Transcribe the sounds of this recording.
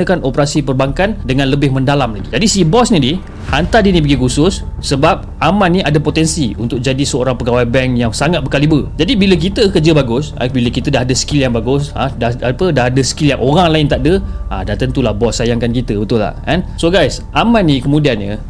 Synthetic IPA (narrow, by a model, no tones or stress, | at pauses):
əkanʔopəɾasipərbaŋkandəŋãnləbɪhməndalamlaɡid͡ʒadisibɔsnidi | hant̪adinĩpəɡikusʊsːəbap̚ʔamãnːiʔadapot̪ɛnsiṵnt̪ʊk̚d͡ʒadisəo̰ɾaŋpəɡawajbɛŋjaŋsaŋat̪̚bəkalibəd͡ʒadibilək̬it̪əkərd͡ʒəbaɡʊsa̰biləkit̪ədaɦadəskiljaŋbaɡʊsə̰daapədaɦadəsə̥kiljaŋʔoɾaŋlaɪnt̪aʔ̚dəʔa̰daht̪ənt̪ulahbɔsːajaŋkankit̪əbət̪ʊlːa̰hʔɛnsoɡajs | ʔamãnːĩkəmũdianɲə